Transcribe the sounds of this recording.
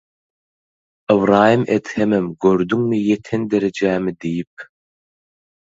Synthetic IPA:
ɨwɾɑːjimʔet̪hemɛmɡøɾd̪yŋmijet̪ʰend̪eɾed͡ʒæːmid̪ijip̚

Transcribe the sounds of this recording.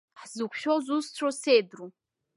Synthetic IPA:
ħzɨkʷʰʃᶣozust͡sʷʰosejdru

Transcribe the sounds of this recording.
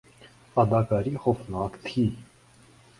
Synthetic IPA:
ɑd̪ɑkɑɾiχɔfnɑkt̪ʰi

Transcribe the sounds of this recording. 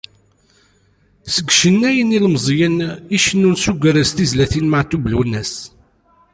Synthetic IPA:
səɡʷʃənːæjənilmzˤjəniʃənːunsuɡʷəɾəst̪izlæθinmaʕt̪ːublunːæs

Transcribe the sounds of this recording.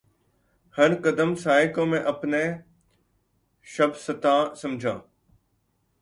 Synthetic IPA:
hɐɾkɐd̪əmsaːɪkõːmẽʔɐpne | ʃɐbsɐt̪ãːsɐ̃md͡ʑʱãː

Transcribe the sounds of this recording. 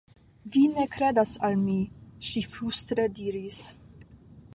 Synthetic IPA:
vinekɾedasalmiʃifɾust̪ɾediːɾis

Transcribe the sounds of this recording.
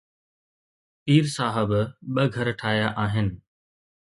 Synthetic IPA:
piːɾsaːɦɪbɓɐɡʱɐɾʈʰaːɦjaʔaːɦɪnɪ̆

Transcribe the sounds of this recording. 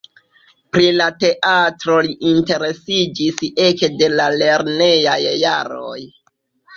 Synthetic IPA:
pɾilate̞ʔatɾo̞liʔinte̞ɾe̞sid͡ʒise̞kde̞lale̞ɾne̞jajːaɾo̰j

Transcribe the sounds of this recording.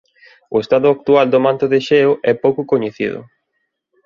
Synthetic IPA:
ʊest̪aðʊak̚t̪uald̪omãnt̪ʊðeʃeoʔɛpowkʊkoɲeθiðʊ̰

